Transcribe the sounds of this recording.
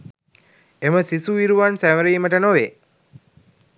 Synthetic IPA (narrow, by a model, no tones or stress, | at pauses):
eməsisuʋiɾuʋansæʋəɾiːməʈənoʋeː